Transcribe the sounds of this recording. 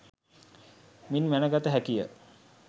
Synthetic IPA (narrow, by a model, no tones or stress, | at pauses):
minʋænəɡat̪əɦækijə̰